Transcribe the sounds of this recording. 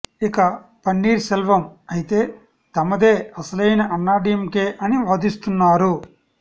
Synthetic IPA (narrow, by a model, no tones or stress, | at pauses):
ikɐpɐnːiːɾsɛlʋɐmɐjit̪e̞ː | t̪ɐmɐd̪eːɐsɐlɐjnɐʔɐnːaːɖjɐmkeːʔɐniʋɐːd̪ist̪unːaːɾu